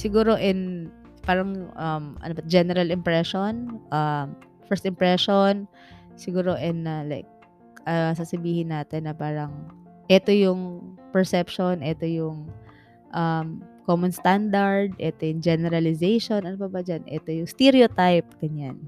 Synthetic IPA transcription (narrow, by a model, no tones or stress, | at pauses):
sɪɡuːɾo̞ʔɛn | paːɾɐŋʔɐmʔɐ̰nobɐd͡ʒɛnɛɾɐlɪmpɹɛʃonʔɐm | fɛɹst̪ɪmpɹɛʃon | sɪɡuːɾo̞ʔɛnɐla̰jk̚ | ʔɐsasɐbiːhɪnːaːt̪ɛnːɐpaːɾɐŋ | ʔɛt̪o̞jʊŋpɛɹsɛpʃonʔɛt̪o̞jʊŋ | ʔɐmkomonst̪and̪ɐɹd̪̚ʔɛt̪ojʊŋd͡ʒɛnɛɾɐlɪsejʃo̞nʔɐnopɐbɐd͡ʒanʔɛ̰t̪o̞jʊŋst̪ɛɾiot̪ajp̚ɡ̥ɐɲan